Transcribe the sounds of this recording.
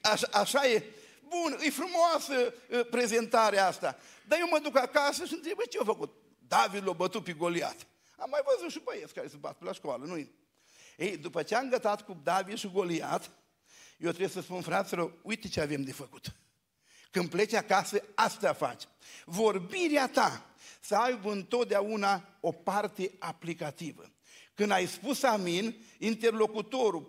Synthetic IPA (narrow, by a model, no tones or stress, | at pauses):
aʃaʔaʃaje | bunɨjfɾumoasəpɾe̞ze̞nt̪aɾeaast̪a | d̪ajewməd̪ukakasəʃiɨnt̪ɾebet͡ʃeofəkut̪̚ | d̪avid̪lobət̪ut̪̚peɡolia̰t̪ | amːajvəzut̪ʃibojetskaɾesuba̰t̪pelaʃkoalənuje | ejd̪upət͡ʃeaɨŋɡət̪at̪kud̪avid̪ʃiɡo̞lia̰t̪ | jewt̪ɾewjesəspunfɾat̪seloujt̪et͡ʃeave̞md̪e̞fəku̥t̪ | kɨnd̪̚ple̞t͡ʃakasəast̪afa̰t͡ʃ | vo̞rbiɾeat̪asəajbəɨnt̪o̞t̪̚d̪eaunaopart̪e̞aplikat̪ivə̰ | kɨnd̪ajspusaminint̪erlo̞kut̪o̞ɾu